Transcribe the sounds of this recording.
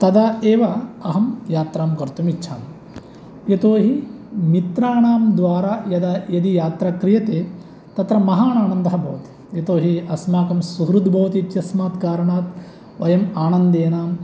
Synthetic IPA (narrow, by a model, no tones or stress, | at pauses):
t̪ɐd̪aːeːʋɐɐɦɐmjaːt̪ɾaːmkɐɾt̪umitːt͡ʃʰa̰ːn | jet̪oːɦimit̪ɾaːɳaːmd̪ʋaːɾaːjɐd̪ajɐd̪ijaːt̪ɾɐkɾijɐt̪eː | t̪ɐt̪ɾɐmɐɦaːnaːnɐnd̪ɐɦɐbʱɐːʋɐt̪i̥ | jɐt̪oːɦiɐsmaːkɐmsuɦɾud̪bʱɐːʋɐt̪it̪jɐsmaːt̪kaːɾɐɳaːt̪ | ʋɐjɐmaːnɐnd̪eːnaːm